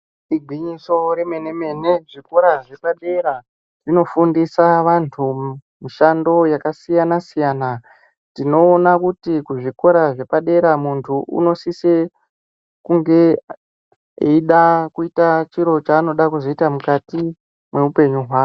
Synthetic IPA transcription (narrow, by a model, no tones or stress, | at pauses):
iɡʱiɲiso̞ɾe̞me̞ne̞me̞ne̞ʐiko̞ɾaʐe̞paɗeɾa | rino̞fundisaʋantʰu | miʃando̞jakasijanasijana | tino̞ːnakutikuʐiko̞ɾaʐe̞paɗe̞ɾamuntʰuṵno̞sise | kuŋɡe̞ | iɗakuitat͡ʃiɾo̞t͡ʃaːno̞ɗakuzo̞itamukati | mwe̞upe̞ɲuɦwaːro